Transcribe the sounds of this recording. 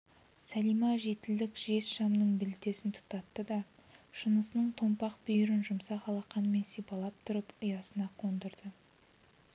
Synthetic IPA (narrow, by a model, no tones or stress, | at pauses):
sælijmɑʒe̞t̪ɪld̪ɪkʒe̞sʃɑmnəɴbɪlɪt̪e̞sɪnt̪ʰʊ̥qt̪ɑt̪ːəd̪ɑʃənəsənəɴt̪ʰo̞mpɑq̚bʏjʏɾɪnʒʊmsɑqɑlˠɑqːɑnme̞nsijpɑlˠɑp̚t̪ʰʊɾəpʊjɑsənɑqʰond̪əɾd̪ə